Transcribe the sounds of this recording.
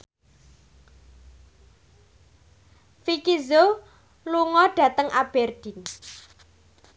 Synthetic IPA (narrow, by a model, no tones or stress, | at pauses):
fikizo | luŋɔɖ̥ä̤t̪əŋʔab̥ɛrd̪̥in